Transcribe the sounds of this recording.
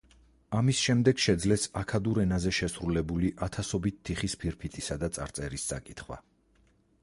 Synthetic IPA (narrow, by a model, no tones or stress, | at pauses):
amisʃɛmd̪ɛɡʃɛd̪zlɛsakʰad̪uɾɛnazɛʃɛsɾulɛbuliʔat̪ʰasɔbit̪ʰːiχispʰiɾpʰit̪ʼisad̪at̪sʼa̰ɾt̪sʼɛɾist̪sʼa̰kʼit̪ʰχwa̰